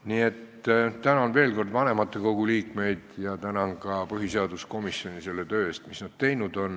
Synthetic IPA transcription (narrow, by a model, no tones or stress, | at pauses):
nie̞t̪ | t̪ænɑonve̞ːlko̞rd̪vɑne̞mɑt̪ːˑeko̞ɡ̥uliːkme̞jd̪̥jɑt̪ænɑnkɑpɤɦiseɑd̪̥usko̞misjo̞nʲise̞lːe̞t̪ø̞ːeːst̪misnɑd̥̪̚t̪e̞jnud̪̥o̞n